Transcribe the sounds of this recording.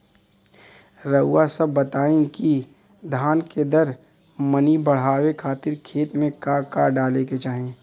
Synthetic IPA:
ɾəʊːasɐbːɐt̪aːẽki | d̪ʱaːnked̪ɐɾ | mənibɐɽ̤aːwekʰaːt̪ɪɾkʰeːt̪mẽkakaːɖaːleket͡ʃaːɦẽː

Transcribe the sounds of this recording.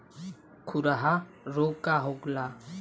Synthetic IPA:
kʰuɾaɦa | ɾokaɦoɡla

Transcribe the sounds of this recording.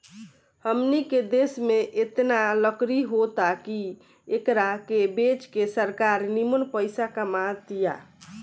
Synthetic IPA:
həmniked̪esmeʔet̪naləkɾiɦot̪aki | ekɾakebet͡ʃkesəɾkaɾnimənpəɪsakamat̪ija̰

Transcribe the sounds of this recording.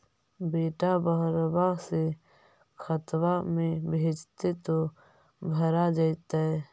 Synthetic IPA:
beːʈabəɦɾbaɦse | kʰət̪wamẽbʱeːd͡ʒt̪et̪o | bʱəɾad͡ʒajt̪aɦɛː

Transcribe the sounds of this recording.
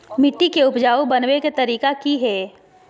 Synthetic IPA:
mɪʈːikeʊpd͡ʒaːobɐnweket̪ɐɾiːkakiɦɛː

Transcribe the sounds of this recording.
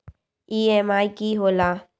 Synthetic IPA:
iːɛmaːikiːɦoːlaː

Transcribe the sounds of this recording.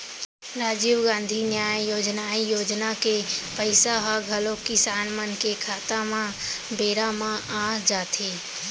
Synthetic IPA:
ɾaːd͡ʒiːwɡãːnd̪ʱinjaːjjoːd͡ʒnaːijoːd͡ʒnakepəɪsaɦaɡʱəlõkisaːnmənkekʰaːt̪amãbeːɾamãʔad͡ʒaːt̪ʰiː

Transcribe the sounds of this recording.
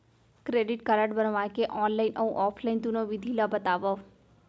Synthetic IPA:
kɾeɖiʈkəɾəʈbənʋajkeʔɔnlainʔəũʔɔpʰlaint̪unoʋid̪ʱilabət̪aʋo

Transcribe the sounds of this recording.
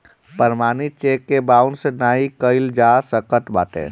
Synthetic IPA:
pəɾmaːnit͡ʃekːebaʊnsenaːikəɪld͡ʒasəkət̪ba̰ːt̪ḛ

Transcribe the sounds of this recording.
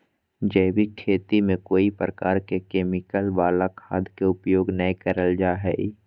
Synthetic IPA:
d͡ʒɛːbʱikʰeːt̪imẽkoːipɾəkaːɾkekeːmɪkəlʋaːlakʰaːd̪keʊpjoːɡnɐĩkəɾəld͡ʒaːɦɛi

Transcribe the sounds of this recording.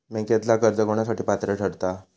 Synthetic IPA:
mẽket̪lakəɾd͡zəɡoɳ̃asaʈiːpat̪ɾəʈəɽt̪a

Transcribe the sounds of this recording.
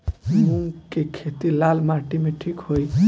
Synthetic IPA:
muŋkekʰet̪ilalmaʈimeʈʰikhoj

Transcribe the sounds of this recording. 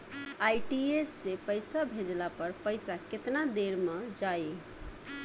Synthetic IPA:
ajʈiesːepəjsabʱed͡ʒlapəɾpəjsaket̪nad̪eɾmed͡ʒaj

